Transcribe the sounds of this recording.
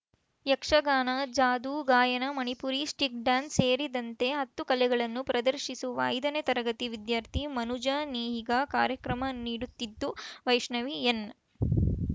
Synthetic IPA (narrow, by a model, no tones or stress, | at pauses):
jɐkʂɐɡaːnɐd͡ʒaːd̪uːɡaːjɐnɐmɐnipuːɾisʈik̚ɖaːnseːɾid̪ɐnt̪e̞ɦɐt̪ːukɐlɛɡɐɭɐnːupɾɐd̪ɐɾʃisuʋɐ̰ːjd̪ɐnet̪ɐɾɐɡɐt̪iʋid̪jaːɾt̪ʰimɐnud͡ʒaːniːɦiɡakaːɾjɐkɾɐmɐniːɽut̪ːid̪ːuʋɐjʂɳɐʋien